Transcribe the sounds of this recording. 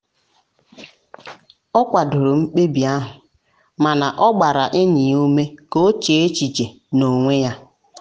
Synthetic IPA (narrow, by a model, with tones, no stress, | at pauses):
ɔ˦kʷa˨dʊ˨ɾʊ˨ŋ͡m̩˦k͡pe˦bi˨a˦ɦʊ˨ | ma˨na˨ʔɔ˦ɡ͡ba˨ɾa˨ʔɪ˦ni˨o˦me˦ko˦t͡ʃe˨e˦t͡ʃi˨d͡ʒe˨ | no˨ŋʷe˦ja˦